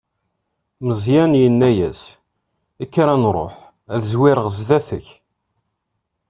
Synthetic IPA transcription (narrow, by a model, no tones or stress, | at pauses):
məzˤjænjənːæjæs | ikːɾænɾˤo̰ħ | æðzwɪɾəʁzðæθəç